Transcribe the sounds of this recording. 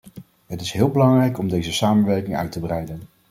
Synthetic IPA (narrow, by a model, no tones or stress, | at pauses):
ɦətɪsɦɪːlˠbəlɑŋrɛjkɔmdejzəsaːmənʋɛɹkɪŋœ̰ɥtəbrɛjdən